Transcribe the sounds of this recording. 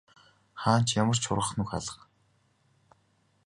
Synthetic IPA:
χaːn̥t͡ɕjamə̆r̥t͡ɕʰʊ̰ɾʁə̆χnuxa̰ɮə̆q

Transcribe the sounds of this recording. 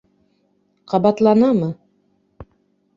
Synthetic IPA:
qɑβɑt̪lˠɑnɑmɤ

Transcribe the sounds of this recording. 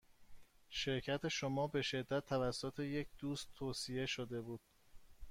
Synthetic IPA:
ʃe̞ɾcʰæt̪ʰe̞ʃomɒːbe̞ʃe̞d̪ːæt̪ʰːævæsːot̪ʰe̞je̞cʰd̪̥uːst̪ʰːoːsije̞ʃod̪e̞buːd̪̥̚

